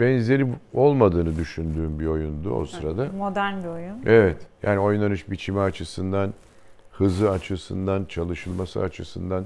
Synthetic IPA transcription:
bɛnze̞ɾio̞lˠmad̪ɯːnɯd̪yʃynd̪yːmbio̞jund̪ṵo̰sɯɾad̪amod̪æɾnbiojune̞vɛt̪ja̰ːnio̞jnˠanɯʃbit͡ʃʰimiat͡ʃʰɯsɯnd̪an | hɯzɯat͡ʃʰɯsɯnd̪ant͡ʃʰalˠɯʃɯlˠmasɯ̰at͡ʃʰɯsɯnd̪an

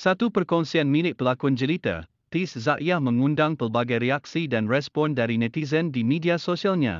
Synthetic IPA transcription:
sat̪upərkɔnsianmilɪt̪̚pəlakuand͡ʒəlit̪ə̰ | t̪iszaʔjahmə̃ŋũndaŋpərbaɡajɾeaksidanrɛspɔndaɾinɛt̪izəndimidiasoʃialɲa̰

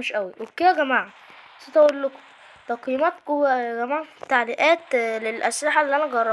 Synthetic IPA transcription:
meʃʔæwiwebked̪æɡæmaːʕa | set̪æʔolːok | t̪ɑqimæːt̪kowæɡæmaːʕt̪ːaʕliʔæːt̪lelʔæslɪħaʔelːiːʔænæɡɑrˤːɑ

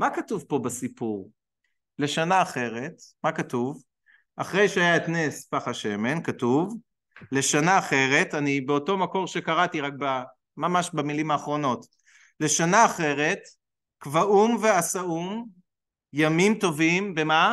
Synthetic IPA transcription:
makatuvpo̞basipuʁ | le̞ʃanaːχe̞ʁetmakatuv | aχʁe̞jʃeajaetnespaχaʃe̞me̞nkatuv | le̞ʃanaːχe̞ʁe̞tanibeo̞to̞mako̞ʁʃekaʁatiʁak̚ba | mamaʃbamilimaːχʁo̞no̞t | le̞ʃanaːχe̞ʁe̞t | kvaʔumveasaum | jamimto̞vimbema

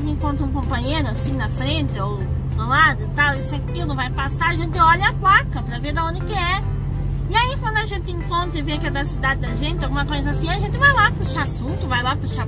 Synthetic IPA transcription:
ẽŋkõnt̪ɾɐũkõmpɐ̃ɲejɾʊasĩnɐfɾẽnt̪ɪo | olad̪ʊit̪awisʊɛkilʊvajpasaɾɐʒẽnt̪ɪɔʎɐaplakɐpɾɐveɾd̪ɐõd̪ɪkɪɛ | ɪaikɐ̃nd̪ʊɐʒẽnt̪ɪẽŋkõnt̪ɾɐɪveɐkid̪ɐsid̪ad̪ɪd̪ɐʒẽnt̪ɪawɡũmɐkojzɐasĩaɐʒẽnt̪ɪvajlapuʃasũnt̪ʊvajlapuʃa

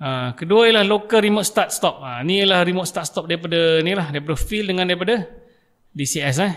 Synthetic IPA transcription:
akəduaijəlahlokalɾimot̪st̪at̪̚st̪ɔp̚aniəlahrimɔt̪̚st̪at̪st̪ɔp̚daipadanilahdajip̬adəfildəŋãndaip̬ada | disiɛs̬a

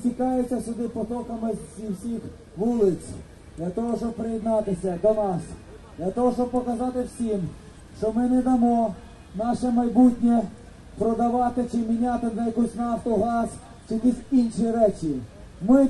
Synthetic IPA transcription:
tʲikɑjet͡sʲːɐsʲʊd̪ɪpɔt̪ɔkɐmɪzʲiwsʲix | ʋulˠɪt͡sʲ | d̪lʲɐt̪ɔɦɔʃt͡ʃɔb̚pɾɪjid̪nɑt̪ɪsʲɐd̪ɔnɑs | d̪lʲɐt̪ɔɦɔʃt͡ʃɔb̚pɔkɐzɑt̪ɪwsʲim | ʃt͡ʃɔmɪnɛd̪ɐmɔ | nɑʃɛmɐjbutʲnʲɛ | pɾɔd̪ɐʋɑt̪ɪt͡ʃɪmʲinʲat̪ɪd̪ɐjɐkusʲnɐːft̪ɔɦɑs | t͡ʃɪʋʲisʲinʃiɾɛt͡ʃi | mɪ

